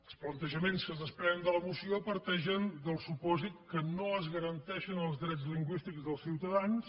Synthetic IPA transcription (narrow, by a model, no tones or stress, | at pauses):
əlˠsplənt̪əʒəmenskəzðəspɾɛənd̪ələmusiopəɾt̪ɛʒənd̪əlˠsupɔzit̪kənoəzɣəɾənt̪ɛʃənəlˠzðɾɛd͡zzliŋɡwist̪ikzðəlˠsiwt̪əðans